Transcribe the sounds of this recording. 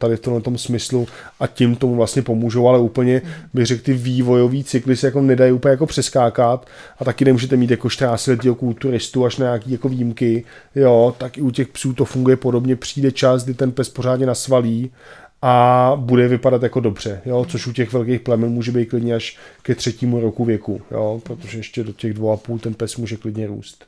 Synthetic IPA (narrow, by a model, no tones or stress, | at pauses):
t̪adɪft̪omlɛt̪o̞msmɪsluʔacɪmt̪o̞muvlast̪ɲɛpo̞muːʒo̞walɛuːpl̩ɲɛbɪɣrɛkt̪ɪviːvo̞jo̞viːt͡sɪklɪsɛjako̞nɛdajupəɲɛjakopr̝̥ɛskaːkat̪ʔat̪akɪnɛmuːʒɛt̪ɛmiːt̪jakoʃt̪ɾaːsɪlɛt̪̬ːiɦokult̪uɾɪst̪uaʃnaɲaːkiːjakoviːjmkɪ | jo̞t̪akɪucɛxpsuːt̪o̞fuŋɡujɛpo̞dobɲɛpr̥iːdɛt͡ʃasɡdɪt̪ɛnpɛspo̞r̝aːdɲɛnasvaliː | ʔabudɛvɪpadat̪jakodo̞br̝̥ɛjo̞t͡so̞ʃucɛxvɛlkejxplɛmɛnmuːʒɛbejt̪̚klɪdɲɛaʃkɛt̪r̥ɛciːmuɾokuvjɛkujopɾot̪oʒɛɛʃcɛdo̞cɛɣdvowapuːlt̪ɛnpɛsmuːʒɛklɪdɲɛɾṵːst̪